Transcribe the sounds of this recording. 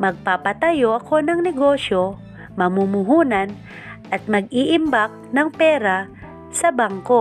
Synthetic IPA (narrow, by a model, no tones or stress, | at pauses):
mɐɡ̚papɐt̪ɐjoʔɐko̞nɐŋnɛɡo̞ːʃjo | mɐmumʊɦuːnan | ʔɐt̪̚mɐɡ̚iːʔɪmbak̚nɐŋpɛːɾa | sɐbaŋko